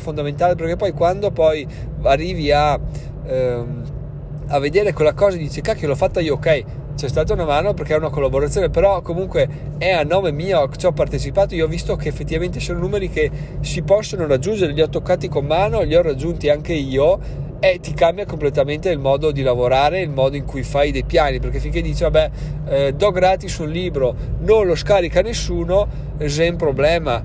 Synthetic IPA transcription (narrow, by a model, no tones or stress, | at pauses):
fond̪ament̪aːlep̬erkepːɔjkwand̪opɔj | arːiːvia | m | avːed̪eːɾekelːakɔːzad̪iːt͡ʃekakːlɔfːat̪ːaiookɛj | t͡ʃɛst̪aːt̪̬aunamaːnoperkeɛunakolːaboɾat̪sjoːnepeɾɔkomuŋkwe | ɛanːoːmemiːo̥t͡ʃ̪ɔpːart̪et͡ʃipaːt̪oioɔvːist̪okeːfːet̪ːivament̪esoːnonuːmeɾike | sipɔsːonoɾad͡ʒːund͡ʒeɾeʎiɔt̪okːaːt̪ikomːaːnoʎiɔrad͡ʒːunt̪iaŋkeiːo | et̪ikambjakomplet̪ament̪eilmɔːd̪od̪ilavoɾaːɾeilmɔːd̪oiŋkujfajd̪ejpjaːniperkefiŋked̪iːt͡ʃivabɛ | d̪ɔɡɾaːt̪isunliːbɾo | nonloskaːɾikanesːuːno | zɛmpɾoblɛːma